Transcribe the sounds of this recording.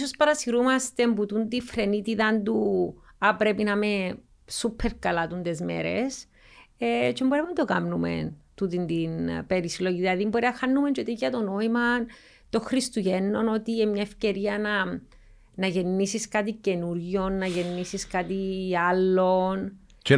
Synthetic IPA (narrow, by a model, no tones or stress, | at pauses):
sospɐɾɐsiɾumɐst̪e̞mbut̪und̪ifɾe̞nit̪iðɐnd̪u | apɾepinɐme | supʰːeɾkɐlɐt̪und̪ezmḛɾes | et͡ʃemboɾeunad̪okamnumḛnt̪ut̪ind̪inpeɾisloʝiðilɐðimboɾiɐxanːument͡ʃot̪eɐt̪ono̞imɐn | t̪oxɾist̪uʝenːo̞no̞t̪iemɲaefce̞ɾiɐnɐ | nɐʝe̞nːisiskat̪ice̞nuɾʝo̞nːɐʝenːisiskat̪ialːo̞n